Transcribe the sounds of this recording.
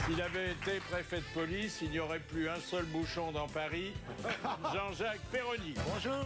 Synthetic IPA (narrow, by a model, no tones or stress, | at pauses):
silavɛːt̪epχefɛd̪əpɔlisilnjɔʁɛplyɛ̃sœlbuʃɔ̃d̪ɑ̃paʁi | ʒɑ̃ʒak̚peʁɔnibɔ̃ʒuː